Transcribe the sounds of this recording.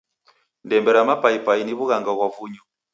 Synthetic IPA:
ndɛmbɛɾamapaipainiβuɣaŋɡaɣwavuɲɔ

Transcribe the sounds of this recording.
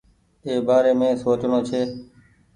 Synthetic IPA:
eːbaːɾeːmẽːsoːt͡ʃɳõːt͡ʃʰeː

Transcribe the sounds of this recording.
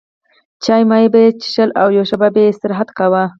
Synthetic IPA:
t͡ʃɑjmɑjibet͡ʃɪ̥ʃəlawjowʃababeɪst̪ɪɾɦat̪kawa

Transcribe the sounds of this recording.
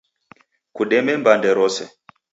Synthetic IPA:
kuɗɛmɛmbandɛɾɔsɛ

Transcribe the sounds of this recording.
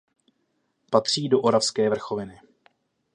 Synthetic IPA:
pat̪r̝̥iːdo̞ʔoɾafskɛːvr̩xo̞vɪnɪ

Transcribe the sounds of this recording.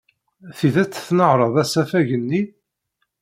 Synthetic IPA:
θiðæt͡sːθnəʕɾˤəðæsæfæʝənːi

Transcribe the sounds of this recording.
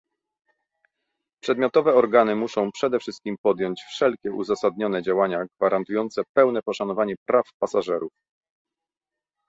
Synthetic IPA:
pʂɛd̪̚mʲjɔt̪ɔvɛɔɾɡanɘmuʂɔ̃w̃pʂɛd̪ɛfʂɘst̪̚kʲimpɔd̪ʲjɔɲt͡ɕfʂɛlkʲɛʔuzasad̪ɲɔnɛd͡ʑawaɲaɡvaɾʔant̪ujɔnt̪sɛpɛwnɛpɔʂanɔvaɲɛpɾafpasaʐɛɾuf

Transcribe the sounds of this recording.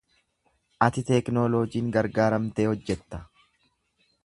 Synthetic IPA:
ʔɐt̪ɪt̪ɛknoːloːd͡ʒiːŋɡɐɾɡaːɾɐmt̪e̞ːhɔd͡ʒːɛt̪ːɐ̥

